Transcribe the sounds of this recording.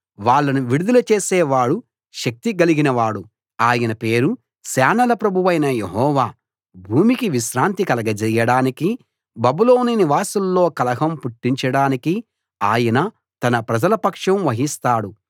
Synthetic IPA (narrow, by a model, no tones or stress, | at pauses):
ʋaːɭːɐnuʋiɽud̪ulɐt͡ʃe̞ːsɛːʋaːɽu | ʃɐk̚t̪iɡɐliɡinɐʋaːɽu | aːjɐnɐpe̞ːɾu | saːnɐlɐpɾɐbʱuʋɐjnɐjeɦɔːʋaː | bʱuːmikiʋiʃɾaːnt̪ikɐlɐɡɐd͡ʒɐjɐɽaːniki | bɐbulo̞ːniniʋaːsulːo̞ːkɐlɐɦɐmpuʈːiɲt͡ʃɐɽaːniki | aːjɐnɐ | t̪ɐnɐpɾɐd͡ʒɐlɐpɐkʂɐmʋɐɦist̪aːɽu